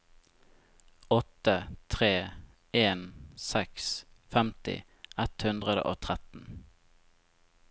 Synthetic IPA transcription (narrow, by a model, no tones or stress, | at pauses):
ɔt̪ət̪ʰʁeː | eːnsɛksfɛmt̪ɪ̰ | ɛt̪hʉnd̪ʁəd̪ə̰ʔoːt̪ʰʁɛt̪n̩